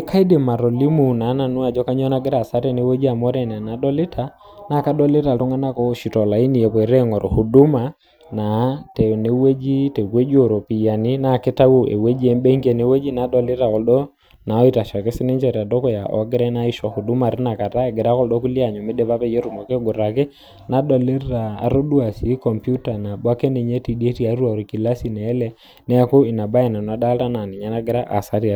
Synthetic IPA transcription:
e˦kʰa˦i˦de˨ma˨ɾɔ˨li˦mu˨na˨˦na˨nu˦a˨d͡ʒɔ˦ka˦ɲɔ˦na˦ɡɪ˦ɾa˨sa˦ɾɛ˦˨ne˨˦we˦d͡ʒi˦a˨mɔ˦ɾɛ˨n˨a˨na˨ɗɔ˦lɪ˦tʰa˦ | na˦ka˦ɗɔ˦lɪ˦ta˨tɔ˦ŋɡa˦na˦kɔ˦ʃi˨tɔ˨la˨i˦ni˨jɛ˨pɔ˨ɾɛ˦ŋɔ˨ɾɔ˨hu˨du˦ma˨ | na˨tɛ˨ne˦we˦d͡ʒi˦tɛ˨kwe˦d͡ʒi˦o˨ɾɔ˨pi˨ja˨ni˦na˨ke˦ta˦wu˦ḛ˨we˦d͡ʒi˦ɛ˦mbɛ˦ŋɡɛ˨ne˦we˦d͡ʒi˦na˨˦dɔ˦lɪ˦ta˨kɔ˨lɗɔ˦ | na˨ɔ˦i˦ta˨ʃa˨ke˦sɪ˦ne˦ɲd͡ʒɛ˨ɾa˨dɔ˦kɔ˨ja˨ʔɔ̰˨˦ɡɪ˦ɾɛ˦na˦i˦ʃɔ˨ku˨du˦ma˨ɾi˦na˨ka˨ta˦e˨ɡɪ˨ɾa˦kɔ˦ldɔ˦ku˦li˦a˨ɲo˨mɪ˦de˦βa˦pɛ˦je˦ɾu˨mɔ˨ke˦ɡo˨ɾa˨kɪ˦ | na˨˦ɗɔ˨le˦ra̰ː˨ɾo˦du˦a˨si˨˦kɔ˨mpju˦ta˨na˨ba˦ke˦ne˨ɲe˦ti˨de˦ti˦a˨˦ɾwa˨ɾi˨ki˨la˦si˨nɛː˨˦lɛ˦ | nɛ˦a˦ko˦i˨na˨ba˦je˨na˨na˨da˦lta˦na˨nɪ˨ɲa˦na˦ɡɪ˦ɾa˦ʔa̰˨sa˦ɾi˦a˨

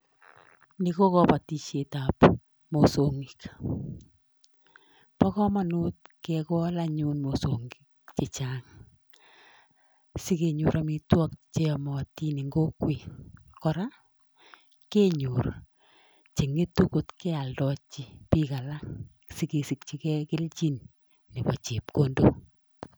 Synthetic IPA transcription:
ni˦ko˦kɔ˦pa˨ti˨ʃe˨ta˨p | mo˨so˨ŋi˨k | pɔ˦kɔ˦ma˨nu˦t̚kɛkɔ˦la˦ɲu˦nmo˨soŋɡi˨kt͡ʃe˨t͡ʃaŋ | si˦ke˨ɲu˨ɾʔa˨mi˦twɔ˦k̚t͡ʃe˦ɔ˨mɔ˨ti˦ni˨ŋɡo˦kwi˨ | kɔ˨ɾa˦ | ke˦ɲu˨ɾ | t͡ʃe˨ŋe˦tu˦ko˦tkɛ˦a˨ldɔ˨t͡ʃːi˦pi˦ka˨la˦ŋ | si˦ke˨si˨kt͡ʃi˦kɛ˦kɪ˦lt͡ʃi˦n | ni˨pɔ˨t͡ʃe˨pkondo˦

